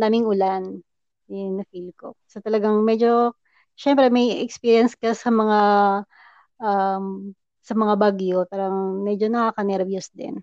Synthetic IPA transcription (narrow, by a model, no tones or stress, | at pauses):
naːmɪŋʊlan | nɐfilko̰sot̪ɐlɐɡaŋmɛd͡ʒo̞ | ʃɛmpɾɛmɐjɛkspiɾijɐnskɐsɐmɐŋa | ʔam | sɐmɐŋabaɡjo̞paːɾɐŋmɛd͡ʒo̞nɐkaːkɐnɛɾɐbjusd̪ɪ̰n